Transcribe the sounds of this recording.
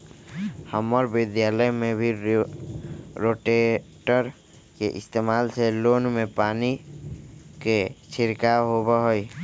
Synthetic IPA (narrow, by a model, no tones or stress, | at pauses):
həməɾbɪd̪jaːləjmẽbʱi | ɾoːʈeʈəɾ | keʔɪst̪eːmaːlseloːnmẽpaːni | ket͡ʃʰɪɾkaɦobəɦoi